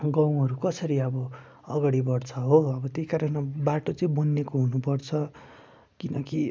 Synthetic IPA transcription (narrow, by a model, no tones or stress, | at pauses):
ɡãw̃ɦʌɾukʌsʌɾiʌbʌ | ʌ̰ɡaɽibʌrt͡sʰʌɦoʌbʌt̪eikaɾʌnbaʈot͡sʌĩbʌnːekoɦunupʌrt͡sʰʌ | kinʌki